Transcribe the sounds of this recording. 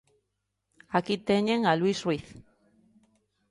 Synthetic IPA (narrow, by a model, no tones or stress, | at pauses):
akit̪eɲeŋalwisriθ